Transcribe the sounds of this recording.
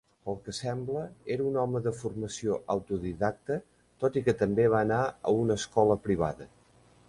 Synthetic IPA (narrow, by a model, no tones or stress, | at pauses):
əlˠkəsɛmbləeɾəunɔməðəfurməsioʔawt̪uðiðak̚t̪ə | t̪ot̪ikət̪əmbeβaənaə̰unəskɔləpɾiβ̞a̰ðə